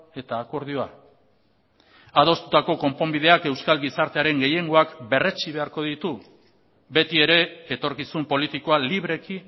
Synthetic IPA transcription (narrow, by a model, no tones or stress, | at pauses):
e̞t̪aːko̞ɾð̞io̞a | að̞o̞st̪ut̪ako̞ko̞mpo̞mbið̞e̞ake̞wskalɡisaɾt̪e̞aɾe̞ŋɡe̞je̞ŋɡo̞akbe̞re̞t͡ʃiβe̞aɾko̞ð̞it̪u | be̞t̪ie̞ɾe̞ːt̪o̞ɾkisumpo̞lit̪iko̞aliβɾe̞ki